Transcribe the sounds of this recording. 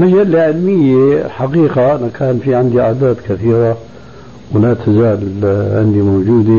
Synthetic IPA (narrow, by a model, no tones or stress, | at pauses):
mad͡ʒalːaʕɪlmɪjːḛlħaqiːqaʔɪnakʰaːnfiʕɪnd̪iʔa̰ːd̪aːd̪kaθiːɾa | wlat̪ʰazaːlʕɪnd̪imowd͡ʒuːd̪i